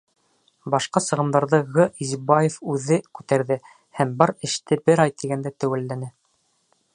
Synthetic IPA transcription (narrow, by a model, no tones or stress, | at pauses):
bɑʃqɑsɤ̆ʁɤ̆md̪ɑɾðɤʁɤʔizbɑjefʉðɘkʉt̪æɾðɘ | hæmbɑɾɘ̆ʃt̪ɘbɘɾɑjt̪iɡænd̪æt̪æwælːænɘ